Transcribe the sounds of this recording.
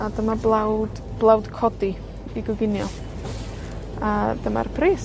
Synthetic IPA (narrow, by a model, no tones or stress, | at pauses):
adəmablawd | b̥lˠawdkʰɔdi | iɡɔɡɪnjɔ | adəma̰rpʰriːs